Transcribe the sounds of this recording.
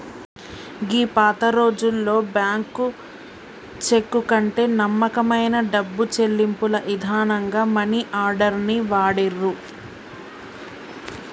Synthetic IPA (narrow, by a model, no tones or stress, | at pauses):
ɡiːpaːt̪ɐɾo̞ːd͡ʒulːo̞ːbjaːŋku | t͡ʃe̞kːukɐɳʈe̞ːnɐmːɐkɐmɐjnɐɖɐbːut͡ʃe̞lːimpulɐʔid̪ʱaːnɐŋɡaːmɐniʔaːɾɖɐɾniʋaːɽiɾːu